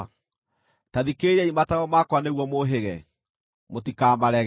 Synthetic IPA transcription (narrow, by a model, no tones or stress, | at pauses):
taðikeɾɛimataɣɔmakwaneɣwɔmoɦeɣɛ | motikaːmaɾɛ